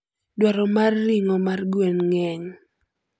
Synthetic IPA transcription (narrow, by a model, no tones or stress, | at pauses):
dwaɾɔmarːiŋɔmarɡwenŋɛɲ